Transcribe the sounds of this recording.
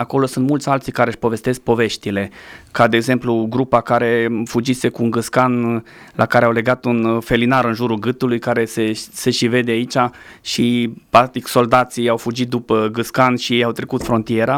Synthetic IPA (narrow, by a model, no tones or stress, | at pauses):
ako̞lo̞sunt̪mult̪sʲalt̪sijkaɾeʃpo̞ve̞st̪e̞sk̚po̞ve̞ʃt̪ile̞kad̪eːɡze̞mpluɡɾupakaɾe̞fud͡ʒise̞kuːnɡɨt̪skan | lakaɾeawle̞ɡat̪unfe̞linaɾɨnʒuɾulɡɨt̪ulujkaɾe̞sese̞ʃive̞d̪eait͡ʃa | ʃipɾak̚t̪ikso̞ld̪at̪sijawfud͡ʒit̪̚d̪upəɡɨskanʃijejawt̪ɾe̞kut̪fɾo̞nt̪ije̞ɾa